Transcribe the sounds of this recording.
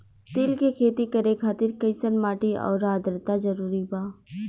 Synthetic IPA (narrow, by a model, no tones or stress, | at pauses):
t̪ɪːlkekʰeːt̪ikɐɾẽkʰaːt̪ɪɾkəɪsənmaːʈiɔ̰ːɾaːd̪ɾət̪azəɾuːɾibaː